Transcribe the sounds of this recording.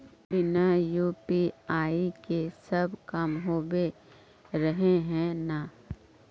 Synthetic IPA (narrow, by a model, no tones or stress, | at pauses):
bɪnajuːpiaːikesɐbkɐmɦoːbe | ɾəɦeɦɛ̃na